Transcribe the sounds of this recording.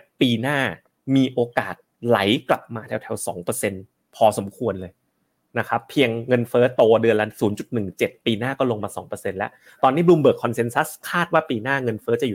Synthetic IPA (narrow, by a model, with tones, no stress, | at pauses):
piː˧naː˥˩ | miː˧ʔoː˧kaː˨˩t̪̚la˩˦jkla̰˨˩p̚maː˧t̪ʰɛ˧wt̪ʰɛ˧wsɔ̰ː˩˦ŋpɤː˧se˧n | pʰɔː˧so˩˦mkʰu˧ənlɤː˧j | na˦˥kʰɾa˦˥pʰːi˧əŋːɤ˧nfɤː˦˥t̪o˧ɐdɯ˧ənla˦˧˥nsuː˩˦nt͡ɕu˨˩t̪̚nɯ˨˩ŋt͡ɕe˨˩t̪̚piː˧naː˥˩kɔː˥˩lo˧ŋmaː˧sɔ̰ː˩˦ŋpɤː˧se˧nlɛ˦˥ʔ | t̪ɔː˧nːiː˦˥˩bluː˧mbɤː˨˩kʰːɔ˧nse˧nsa˦˥skʰaː˥˩t̪̚waː˥˩piː˧naː˥˩ŋɤ˧nfɤː˦˥t͡ɕa˨˩juː˨˩